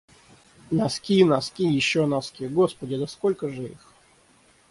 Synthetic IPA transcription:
naskʲinaskʲijɪɕːonaskʲiɡospədʲɪd̪əskolʲkəʐɨḭx

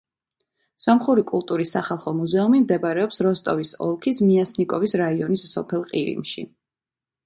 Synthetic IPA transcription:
sɔmχuɾikʼulˠt̪ʼuɾisːaχalˠχɔmuzɛumimd̪ɛbɾɛɔpsɾɔst̪ʼɔvisɔ̰lˠkʰismiasnikʼɔvisɾaiɔnisːɔpʰɛlˠqʼiɾḭmʃḭ

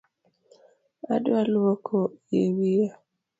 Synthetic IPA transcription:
a̰dalwokʰojewia

